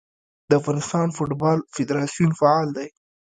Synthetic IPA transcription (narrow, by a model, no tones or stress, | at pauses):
d̪̥əafɣɑnɪst̪ɑnfoʈbɑlfɪd̪ɾɑsijunfaɑld̪aj